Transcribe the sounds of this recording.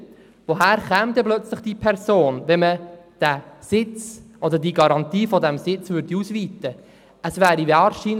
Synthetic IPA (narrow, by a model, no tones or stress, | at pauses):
ʋoɦæːɾχɛːmt̪ɛblœt͡sləχd̥ipʰɛɾsoːnʋɛməd̥æsɪt͡sɔd̪ədiɡɑɾɑnt̪iːfɔd̪ɛmsɪt͡sʋʏɾd̥iusʋiːt̪ə | əsʋæːɾiʋɑːɾʃiːn